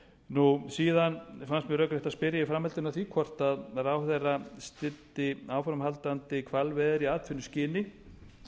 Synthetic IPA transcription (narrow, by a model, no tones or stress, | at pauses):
nusiːðanfanst̪mjɛɾœkɾɛht̪aspɪɾjaifɾamhɛlt̪ɪnaθikʰɔr̥t̪aðrawθɛjrast̪ɪt̪ːɪaːwfɾamhalt̪ant̪ɪkʰvalvɛːðɪɾiaːðt̪ʰvʏnːʏscɪːnɪ